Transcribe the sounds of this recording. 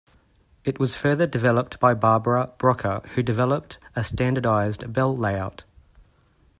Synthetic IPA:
ɪʔwɒz̥fɜːðədɪvɛlˠəp̚tb̥ɑɪbɑːbəɹəb̥ɹɒkʰəhʉdɨvɛlˠəp̚təstæ̃ndədɑɪzdbɛlˠleɪaʊt

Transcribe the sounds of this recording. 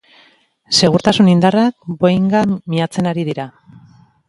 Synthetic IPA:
se̞ɣ̞uɾt̪asunind̪arak̚bojŋɡamiat͡se̞naɾiðiɾa

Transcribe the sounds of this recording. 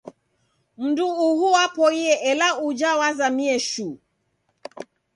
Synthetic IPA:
m̩nduːhuwapɔiɛʔɛlaud͡ʒawazamiɛʃu

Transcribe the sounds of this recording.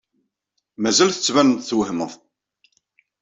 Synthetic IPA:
mæzælθə̥t͡sːvænənt̪θwhməθ

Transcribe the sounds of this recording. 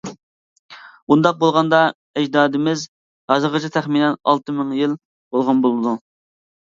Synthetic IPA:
und̪ɑq̚bolˠʁɑnd̪ɑ | ɛd͡ʒd̪ɑːd̪ɪmɪz | hɑzəʁət͡ʃʰɪt̪ʰæχminɛnɑ̰lˠt̪ɨmɪŋjilˠ | b̥olˠʁɑnbolˠɨd̪u

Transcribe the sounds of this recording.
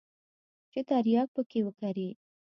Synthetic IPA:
t͡ʃet̪aɾjɑk̚pəkewəkaɾi

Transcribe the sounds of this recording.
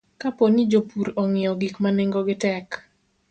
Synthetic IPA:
kaponid͡ʒopuɾɔŋɪɔɡikmaneŋɡɔɡɪtɛk

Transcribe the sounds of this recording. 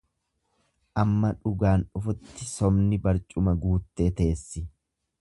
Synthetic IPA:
ʔɐmːɐᶑʊɡaːnʊfʊt̪ːɪsɔmnɪbɐɾt͡ʃʼʊmɐɡuːt̪ːe̞ːt̪eːsːɪ

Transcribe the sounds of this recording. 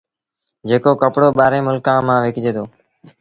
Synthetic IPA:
d͡ʒeːkoːkəpɽoːɓaːɾẽːmʊlkãːmãːʋeːkd͡ʒeːt̪ʰoː

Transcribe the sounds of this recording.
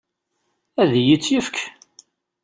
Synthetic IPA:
æðjit͡sːjəfkʰ

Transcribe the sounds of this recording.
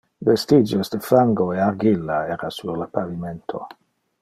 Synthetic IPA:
vest̪id͡ʒosd̪efaŋɡoearɡilːaɛɾasurlapaviment̪ʰo̰

